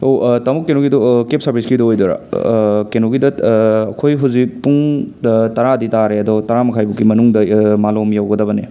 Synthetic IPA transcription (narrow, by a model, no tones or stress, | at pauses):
owtɐmukːenoɡidɔkep̚sɐɾbʱiskidɔojdɔɾa̰kenoɡidɐɐkʰojɦuwzipuŋ | tɐɾaditaɾeɐdɔtɐɾamɐkʰajbukːimɐnuŋdɐmalomjawɡɐdɐbɐne